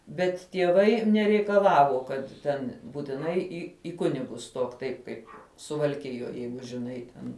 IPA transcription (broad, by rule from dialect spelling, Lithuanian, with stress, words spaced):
bʲɛt tʲiɛˈʋɐɪ nʲɛrʲɛɪkɐˈlˠɑːʋoː kɐt ˈtʲɛn buːtʲɪˈnɐɪ iː ɪ ˈkʊnʲɪɡʊs ˈstoːk ˈtɐɪp kɐɪp sʊʋɐlʲˈkʲɪjoːj ˈjɛɪɡʊ ʒʲɪˈnɐɪ tʲɛn